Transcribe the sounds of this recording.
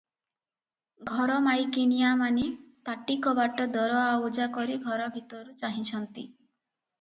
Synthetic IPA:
ɡʱɔɾɔmajkinijamanit̪aʈikɔbaʈɔd̪ɔɾɔaod͡ʒakɔɾiɡʱɔɾɔbʱit̪ɔɾut͡ʃaɦit͡ʃʰɔnt̪ḭ

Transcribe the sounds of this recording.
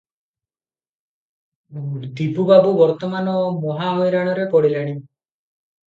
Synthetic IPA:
d̪ibubabubɔɾt̪ɔmanɔmɔɦaɦojɾaɽ̃ɔɾepɔɽiɾaɽ̃i

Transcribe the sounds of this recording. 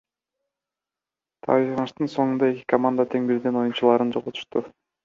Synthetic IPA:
t̪ʰɑ̰iɑnɯʃt̪ɯnso̞ŋund̪ɑe̞kʲi̥kʰɐmand̪at̪ʰe̞ŋbiɾd̪eno̞junt͡ʃulˠɑːɾɯnd͡ʒo̞ʁot̪ʰu̥ʃt̪u

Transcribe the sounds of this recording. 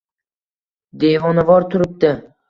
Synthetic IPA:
d̪evɒnavɒɾt̪ʰʊɾɪp̚d̪ɪ

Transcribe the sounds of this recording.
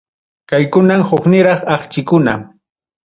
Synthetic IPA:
kajkʊnamhoχnɪɾɑχɑχt͡ʃɪkʊna̰

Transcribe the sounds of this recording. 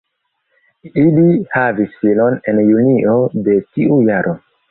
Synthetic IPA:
ilihavisfilo̞ne̞njuniʔode̞tiujaɾʔo̞

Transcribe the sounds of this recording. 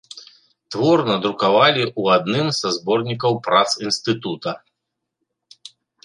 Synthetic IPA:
t̪vɔrnɐd̪ɾukavalʲiʔuad̪nɨmzazbɔrnʲikɐwpɾat̪sinst̪ɨt̪ut̪ɐ

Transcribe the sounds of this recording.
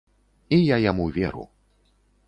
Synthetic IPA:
ijajamuvʲɛ̰ɾṵ

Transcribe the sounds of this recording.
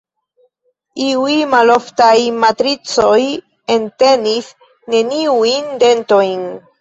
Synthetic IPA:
iujmalo̞ftajmatɾit͡so̞j | e̞nte̞nis | ne̞niujnde̞nto̞jn

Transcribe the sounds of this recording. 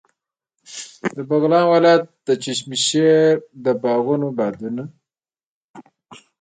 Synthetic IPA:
dd̪əbaɣlɑnwalajat̪̚d̪ət͡ʃiʃ̬miʃeɾd̪əbɑɣunobɑd̪una

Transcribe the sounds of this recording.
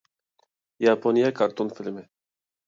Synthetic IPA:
japʰonijakʰaɾt̪onfilme

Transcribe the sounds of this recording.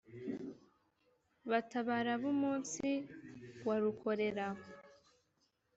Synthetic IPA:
βataβaɾaβumuːnsi | waɾukʰo̞ɾe̞ɾa

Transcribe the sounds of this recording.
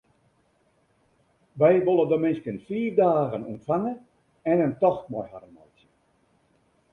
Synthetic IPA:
ʋɛjʋolˠədomɪnskənfiːvdaːɣənumtfaŋə | ɛnəntɔxmɔjhaɾəmajt͡sjə

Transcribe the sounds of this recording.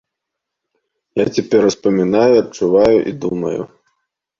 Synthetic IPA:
jat͡sʲɛpʲɛrspɐmʲinajuɐt͡ʂuvajuʔḭd̪umɐ̰jṵ

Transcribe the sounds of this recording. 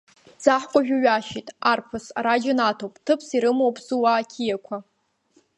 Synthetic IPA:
d͡zaħkʷʼaʒᶣʊɥaʃitʼarpʰɨsa̰ɾad͡ʒɪnatʰowpʼtʰɨpʰsiɾɨmowpʼzuwaːkʲʰijakʷʰa

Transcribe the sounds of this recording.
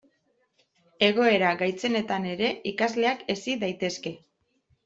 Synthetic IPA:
e̞ɣ̞o̞e̞ɾaɣajt͡se̞ne̞t̪ane̞ɾe̞ikazle̞ake̞siðajt̪e̞ske̞

